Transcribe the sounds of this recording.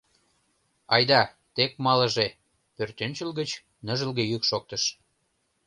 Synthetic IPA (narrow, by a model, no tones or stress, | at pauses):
ɑjd̪ɑ | t̪ek̚mɑlə̆ʒe | pørt̪ønʲt͡ɕəlɣət͡ɕ | nə̆ʒəlɣejykʃok̚t̪əʃ